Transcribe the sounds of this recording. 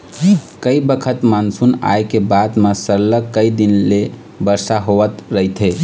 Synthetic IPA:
kəibəkʰət̪mansuna̰jkebad̪masəɾləkːəid̪inle | bəɾsaɦoʋət̪ɾəɦit̪ʰɦe

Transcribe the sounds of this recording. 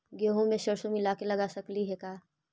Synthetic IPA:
ɡeːɦõmẽʃɐɾʃomɪlaːkelɐɡaːsɐkliɦɛkaː

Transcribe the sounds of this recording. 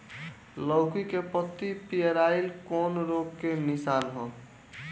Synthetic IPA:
lɔʊkikepət̪ːipijeɾailkɔːnɾoɡkenisaːnɦõ

